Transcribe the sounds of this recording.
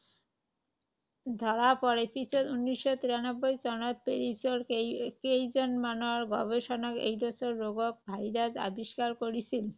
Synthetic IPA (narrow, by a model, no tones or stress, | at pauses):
d̪ʱɔɾapɔɾepisʰod̪unːiʃːot̪iɾanɔbːojt͡ɕɔnot̪̚peɾisoɾkejd͡ʑonmanoaɾɡɔbeʃɔnakḛjd̪ɔsoɾːoɡok̚bʱajɾad͡ʑa̰biʃkaɾkoɾit͡ɕʰil